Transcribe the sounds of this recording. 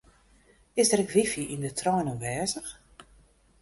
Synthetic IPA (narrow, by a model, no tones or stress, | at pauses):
ɪzdəɾɪkʋifjiʔindətʰrɔjnənʋɛːzəx